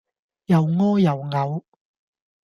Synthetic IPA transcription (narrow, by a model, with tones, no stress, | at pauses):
jɐ˨˩wŋɔː˥jɐ˨˩wŋɐ˨˧w